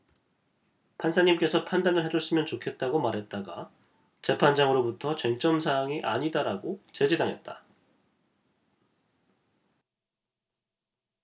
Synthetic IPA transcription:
pʰansʰaɲimk͈e̞sʰʌpʰandanɯɭɦe̞d͡ʑoɭs͈ɯmjʌnt͡ɕokʰe̞t̚t͈aɡomaɾɦe̞t̚t͈aɡa | t͡ɕe̞pʰand͡ʑaŋɯɾobutʰʌt͡ɕeŋt͡ɕ͈ʌmsʰaːŋiʔaɲidaɾaɡot͡ɕe̞d͡ʑedaŋɦe̞̰t̚t͈a

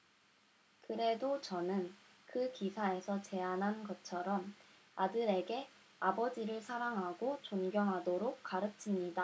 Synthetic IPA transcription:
kɯɾe̞dot͡ɕʌnɯnkɯkisʰae̞sʰʌt͡ɕe̞anɦanɡʌtt͡ɕʰʌɾʌm | adɯɾe̞ɡe̞ | abʌd͡ʑiɾɯɭsʰaɾaŋɦaɡot͡ɕoŋɡjʌmɦadoɾok̚k͈aɾɯt͡ɕʰimɲida

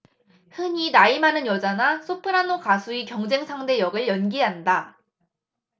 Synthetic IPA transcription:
hɯɲinaimanɯnjʌd͡ʑanasʰopʰɯɾanokasʰuikjʌŋd͡ʑe̞ŋsʰaŋde̞jʌɡɯɭjʌnɡiɦanda

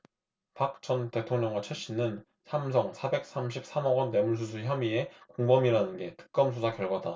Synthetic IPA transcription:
pak̚t͡ɕʌnte̞tʰoŋɲʌŋɡwat͡ɕʰweɕ͈inɯn | sʰams̬ʰʌŋsʰabe̞k̚s͈amɕʰip̚s͈ʰamʌɡʌnːe̞muɭs̬ʰus̬ʰuçjʌmie̞koŋbʌmiɾanɯnɡe̞tɯ̥k̚k͈ʌmsʰusʰakjʌɭɡwada

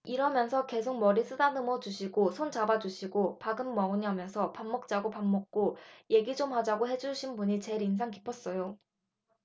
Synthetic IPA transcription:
iɾʌmjʌnsʰʌke̞sʰok̚mʌɾis͈ʰɯdanɯmʌd͡ʑuɕʰiɡosʰont͡ɕabad͡ʑuɕʰiɡopaɡɯnːʌuɲɦamjʌnsʰʌpamːʌk̚t͡ɕ͈aɡopamːʌk̚k͈oje̞ɡid͡ʑomhad͡ʑaɡoɦe̞d͡ʑuɕʰinbuɲit͡ɕe̞ɾinsʰaŋkipʰʌs͈ʌjo

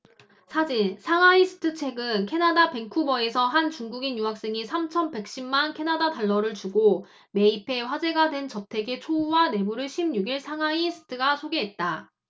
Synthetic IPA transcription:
sʰad͡ʑinsʰaŋaisʰɯ̥tʰɯt͡ɕʰe̞ɡɯnkʰe̞nadape̞ŋkʰubʌe̞sʰʌɦant͡ɕuŋɡuɡinjuɦak̚s͈eŋisʰamt͡ɕʰʌnbe̞k̚ɕ͈imːankʰe̞nadadaɭːʌɾɯɭt͡ɕuɡo | me̞ipʰe̞ɸwad͡ʑe̞ɡadwe̞nt͡ɕʌtʰe̞ɡe̞t͡ɕʰouwane̞buɾɯɭɕʰimɲuɡiɭsʰaŋaisʰɯ̥tʰɯɡasʰoɡeɦet̚t͈a

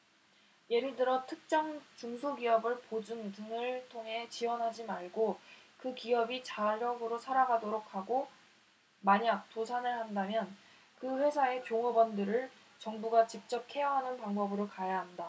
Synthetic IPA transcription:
je̞ɾɯɭdɯɾʌtʰɯk̚t͡ɕ͈aŋt͡ɕuŋsʰoɡiʌbɯɭpod͡ʑuntɯnɯɭtʰoŋɦe̞t͡ɕiwʌnɦad͡ʑimaɭɡokɯkiʌbit͡ɕaɾʌɡɯɾosʰaɾaɡadoɾok̚ʰaɡo | maɲak̚t͈osʰanɯɭhandamjʌn | kɯɸwe̞sʰae̞kjoŋʌbʌndɯɾɯɭ | t͡ɕʌŋbuɡat͡ɕip̚t͡ɕ͈ʌp̚kʰe̞jʌɦanɯnpaŋbʌbɯɾokajaɦanda

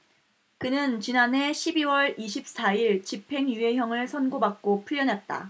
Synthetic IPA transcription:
kɯnɯnt͡ɕinane̞ɕʰibiwʌɭiɕʰip̚s͈aiɭt͡ɕipʰe̞ŋjue̞ɦjʌŋɯɭsʰʌnɡobak̚k͈opʰuɭːʌnɦat̚t͈a̰

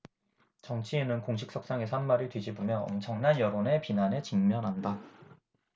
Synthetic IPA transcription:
t͡ɕʌŋt͡ɕʰienɯnkoŋɕʰik̚s͈ʰʌk̚s͈aŋe̞s̬ʰʌɦanmaɾɯɭtwɥid͡ʑibomjʌʌmt͡ɕʰʌŋnanjʌɾone̞pinanet͡ɕiŋmjʌnɦanda

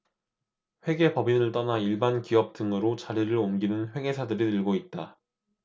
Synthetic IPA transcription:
ɸwe̞ɡe̞pʌbinɯɭt͈ʌnaiɭbankiʌp̚t͈ɯŋɡɯɾot͡ɕaɾiɾɯɭomɡinɯnɸwe̞ɡe̞sʰadɯɾinɯɭɡoit̚t͈a

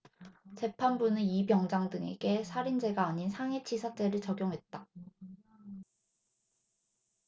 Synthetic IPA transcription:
t͡ɕe̞pʰanbunɯibjʌŋd͡ʑaŋdɯŋe̞̰ɡe̞sʰaɾind͡ʑe̞ɡaːɲinsʰaŋet͡ɕʰisʰat͡ɕ͈e̞ɾɯɭt͡ɕʌɡjoŋɦe̞t̚t͈a

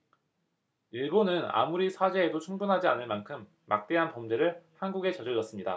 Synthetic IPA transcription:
iɭbonɯna̰muɾisʰad͡ʑe̞ːdot͡ɕʰuŋbunɦad͡ʑianɯɭmankʰɯmːa̰k̚t͈e̞ɦanpʌmd͡ʑeɾɯɭhanɡuɡe̞t͡ɕʌd͡ʑɯd͡ʑʌs͈ɯmɲida̰

